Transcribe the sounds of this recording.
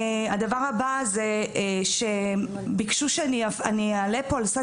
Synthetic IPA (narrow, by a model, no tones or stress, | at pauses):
ad̪avaʁabazeʃe̞bikʃuʃeaniaaniealepoalsa